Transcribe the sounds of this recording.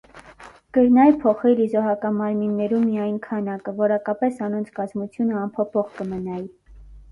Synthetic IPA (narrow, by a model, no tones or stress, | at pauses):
ɡ̥əɾnɑjpʰɔχɛlizɔɦɑkɑnmɑɾminːɛɾumːijɑjnkʰɑnɑkəvɔɾɑkɑpɛsɑnɔnt͡sʰkɑzmut͡sʰjunəɑmpʰɔpʰɔʁkəmənɑji